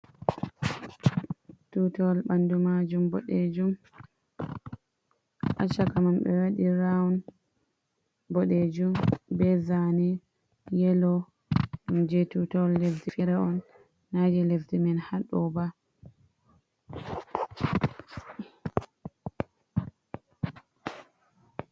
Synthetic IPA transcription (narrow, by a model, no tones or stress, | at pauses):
tutɔlɓandumad͡ʒumbɔɗed͡ʒum | ʔat͡ʃːakamambɛ̰waɗiɾawun | bɔɗed͡ʒumbɛzani | jɛlɔ | umd͡ʒetutɔlːeftifɛɾɛɔnː | ad͡ʒɛleftimɛnhaɗɔba